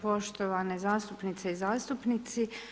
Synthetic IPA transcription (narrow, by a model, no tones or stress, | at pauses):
po̞ʃt̪oʋanezaːst̪upnit̪seizaːst̪upnit̪si